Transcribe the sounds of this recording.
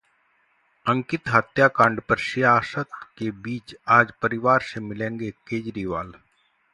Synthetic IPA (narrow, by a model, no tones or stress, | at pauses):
ə̃ŋkɪt̪ɦət̪jakãːɳɖpəɾʃɪjaːsət̪kebiːt͡ʃaːd͡ʒpɐɾɪʋaːɾsemɪlẽːŋɡekeːd͡ʒɾiʋaːl